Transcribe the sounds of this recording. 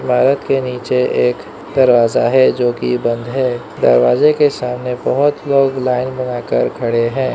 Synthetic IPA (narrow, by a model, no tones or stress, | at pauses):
ɪmaːɾət̪keniːt͡ʃeeːk | d̪ɐɾʋaːzaɦɛd͡ʒoːkibɐ̃nd̪ʱɦɛ | d̪ɐ̰ɾʋaːzekesaːmnebɐɦʊt̪loːɡlaːɪnbɐnaːkəɾkʰɐɽeɦɛ̃ː